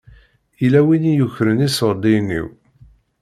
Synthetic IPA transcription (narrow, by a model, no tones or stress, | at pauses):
ilæwinijuçɾənisəɾˤd̪inːḭw